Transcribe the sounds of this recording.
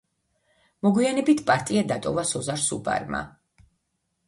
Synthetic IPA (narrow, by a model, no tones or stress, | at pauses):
mɔɡwianɛbit̪ʰpʼaɾt̪ʼiad̪at̪ʼɔvasɔzaɾsṵbʼa̰ɾma̰